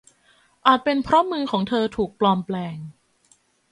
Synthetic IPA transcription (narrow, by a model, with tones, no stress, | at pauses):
ʔaː˨˩t̪̚pe˧npʰɾɔ˦˥mɯː˧kʰɔː˩˦ŋt̪ʰɤː˧t̪ʰuː˨˩k̚plɔː˧˩mplɛː˧ŋ